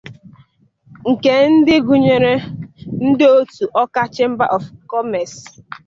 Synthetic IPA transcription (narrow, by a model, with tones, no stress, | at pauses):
ŋ̩˨ke˨n̩˦dɪ˦ɡu˨ɲe˨ɾe˦n̩˦dɪ˦o˦tu˨ʔɔ˦ka˦t͡ʃɪ˦m̩˦ba̰˦ʔɔ˨fkɔ˦mɛ˨s